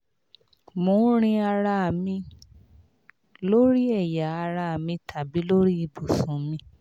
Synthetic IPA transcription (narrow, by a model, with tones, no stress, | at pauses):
mõ˨˦ɾ̃ĩ˧a˧ɾa˧a˨mĩ˧ | lo˦ɾi˦ɛ˦˨ja˨a˧ɾa˧a˨mĩ˧tʰa˨bi˨˦lo˦ɾi˦i˧bu˨sũ˨˦mĩ˧